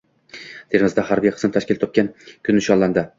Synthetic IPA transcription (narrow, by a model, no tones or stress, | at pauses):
d̪̥ʰeɾmɪzd̪ahaɾbijqʰɨ̥smɪt̪ʰaʃkʲɪlt̪ʰɒp̚kʲankʲʰʊnːɪʃɒnlːand̪ɪ